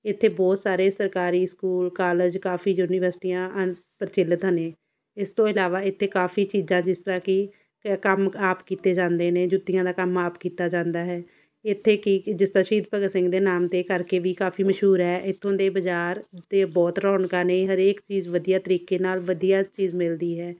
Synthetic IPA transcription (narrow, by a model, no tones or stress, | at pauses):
ɪt̪ʰːeːbɔːt̪saːɾeːsəɾkaːɾiːskuːlkaːləd͡ʒkaːfʰiːjuːniːʋəɾsʈiːjãːə | pəɾt͡ʃɪlət̪ɦəneː | ɪst̪õːɪlaːʋaːɪt̪ʰːeːkaːfʰiːt͡ʃiːzãːd͡ʒɪst̪əɾãːkɪ | kəmaːpkiːt̪eːd͡ʒãːnd̪eːnẽːd͡ʒʊt̪ːɪjãːd̪aːkəmaːpkiːt̪aːd͡ʒãːnd̪aːɦɛː | ɪt̪ʰːeːkɪd͡ʒɪst̪aːʃiːd̪̚pəɡəsɪ̃ŋɡd̪eːnaːmt̪eːkəɾkeːʋiːkaːfʰiːməʃɦuːɾɦɛːʔɪt̪ʰːõːd̪eːbəd͡ʒaːɾd̪eːbɔːt̪ɾɔːɳkãːnẽːɦəɾeːkt͡ʃiːzʋəd̪ijaːt̪əɾiːkeːnaːlʋəd̪ijaːt͡ʃiːzmɪld̪iːɦɛː